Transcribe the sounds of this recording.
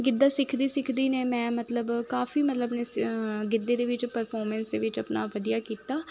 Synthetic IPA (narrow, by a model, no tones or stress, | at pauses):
ɡɪd̪ːaːsɪkʰd̪iːsɪkʰd̪iːneːmɛ̃ːmət̪ləbkaːfiːmət̪ləbneɡɪd̪ːeːd̪eːʋɪt͡ʃpəɾpʰɔːɾmɛ̃ːnsd̪eːʋɪt͡ʃəpna̰ːʋəd̪ijaːkiːt̪aː